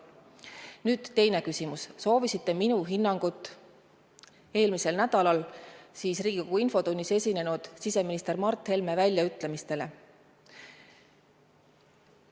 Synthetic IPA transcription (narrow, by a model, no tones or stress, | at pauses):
nyːd̪̥ːe̞jne̞kysimusso̞ːvisit̪ːe̞minuɦinːɑŋɡ̥ut̪ːˑ | e̞ːlmise̞lnæd̪̥ɑlɑlsiːsriːɡ̥ikuuinfo̞t̪unʲːise̞sʲine̞nud̪̥sise̞minist̪e̞ɾmɑrt̪ˑːhe̞lmevælʲjɑyt̪ˑle̞mist̪e̞le̞